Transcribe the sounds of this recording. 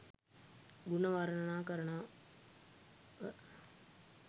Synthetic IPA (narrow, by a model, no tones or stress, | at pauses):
ɡunɐʋɐɾɐɳɐnaːkɐɾɐɳaː